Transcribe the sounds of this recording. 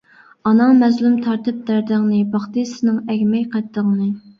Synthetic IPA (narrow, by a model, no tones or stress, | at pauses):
ɑnɑmɛzlymt̪ʰɑɾt̪ʰɨp̚d̪æɾd̪ɪŋnɨbɑχt̪ɨsɨnɨŋɛɡʲmɛjqʰɛt̪ːəŋnɨ